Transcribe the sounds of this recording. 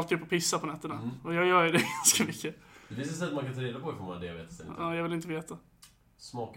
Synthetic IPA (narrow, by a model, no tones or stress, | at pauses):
lt̪ːɪɵpːɔpʰɪsːapʰɔnɛt̪ːənaɔjɑːjœːjdɛɡanskamʏkːəd̪ɛs̬ɛs̬ɛmaŋkant̪ʰɑːɾeːd̪apɔfɔɾma̰nd̪ɛja̰vḛːt̪sɛnɪ̰aːjɑːvɪlɪnt̪əveːt̪a | smɑːk